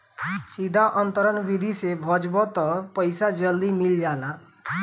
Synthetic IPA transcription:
sid̪ʱaʔɔnt̪əɾənbid̪ʱisebʱɔd͡ʒbɔt̪ɔpəjsad͡ʒəld̪imild͡ʒala

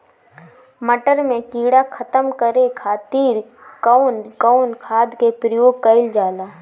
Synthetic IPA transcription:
məʈəɾmẽkiːɽakʰət̪əmkəɾekʰaːt̪iːɾ | kəʊnkaʊnkʰaːd̪kepɾəjoːɡ̚kəɪld͡ʒaːlaː

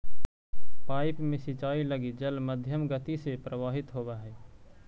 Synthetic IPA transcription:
paːɪpmẽsɪt͡ʃaːiləɡid͡ʒəlməd̪ʱjəmɡət̪isepɾəʋaːɦɪt̪ɦoːbaɦɛː

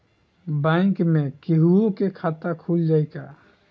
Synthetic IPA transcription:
bãɪkmẽkiɦuõkekʰat̪akʰuld͡ʒaːjka

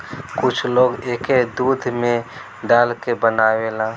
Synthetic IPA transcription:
kʊt͡ʃʰloːɡeːked̪uːd̪ʱmẽ | ɖaːlkebənaːwelãː

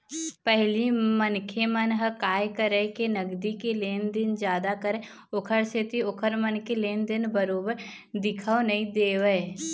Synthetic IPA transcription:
pɛɦlimənkʰemənɦəkaːjkəɾəkenəɡd̪ikeleːnd̪ɪnd͡ʒjaːd̪akəɾẽ | ʊkʰəɾset̪iʊkʰəɾmənkeleːnd̪ɪnbəɾoːbəɾ | d̪ɪkʰəonɐĩd̪eːʋəe

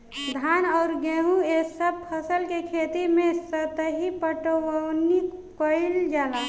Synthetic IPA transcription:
d̪ʱaːnɔʊɾɡeːɦũesəb̚pʰəsəlkekʰet̪imẽsət̪əɦipəʈəwəwnikːoɪld͡ʒaːlaː

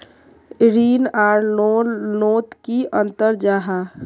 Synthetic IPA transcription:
ɾiːnaːɾonoːt̪kiʔənt̪əɾd͡ʒaɦa

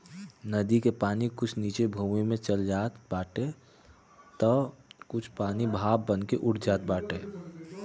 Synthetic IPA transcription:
nəd̪ikepaːnikʊt͡ʃʰniːt͡ʃebʱumimẽt͡ʃəld͡ʒaːt̪baːʈe | t̪əkʊt͡ʃʰpaːnibʱaːb̚ːənkeʔʊʈd͡ʒaːt̪̚baːʈeː

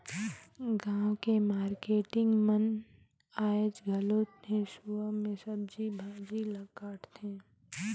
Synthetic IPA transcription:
ɡãːwkemaːɾkeːʈɪ̃ŋɡmən | aːed͡ʒɡʱəloːt̪nesuamẽsəb̚d͡ʒibʱaːd͡ʒiləɡkaːʈʰt̪ʰẽː

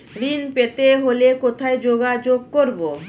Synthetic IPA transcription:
ɾinpet̪eɦolekot̪ʰaed͡ʑoɡad͡ʑoɡ̚koɾbo

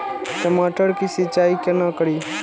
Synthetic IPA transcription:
təmaːʈəɽkisit͡ʃaːikɐnakəɽiː

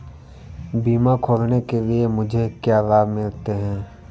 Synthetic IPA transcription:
biːmakʰoːlnekeliemʊd͡ʒʱekjaːɾaːbmɪlt̪eɦɛ̃ː

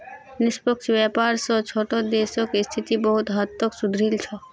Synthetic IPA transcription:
nispɔkt͡ʃbɛpaɾsɔt͡ʃʰoʈɔd̪esɔkist̪ʰit̪ibɔɦut̪ɦat̪ːoksud̪ʱɾilt͡ʃʰɔ

